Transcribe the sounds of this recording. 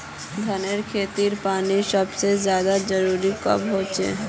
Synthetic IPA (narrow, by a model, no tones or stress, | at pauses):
d̪ʱəneɾkʰeːt̪iɾpaːnisəbsezjaːd̪ad͡ʒəɾuɾikə̰bɦoːt͡ʃḛ